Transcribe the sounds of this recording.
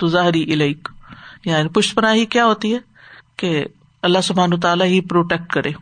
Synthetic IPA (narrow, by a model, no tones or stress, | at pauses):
t̪ʊzaːɦɾiʔɪlaɪkjaːnipʊʃpɐnaːɦikjaːɦoːt̪iɦɛ | ke | ɐlːaɦsʊbʱaːnʋət̪aːlaɦipɾoːʈeːk̚ʈkɐɾẽː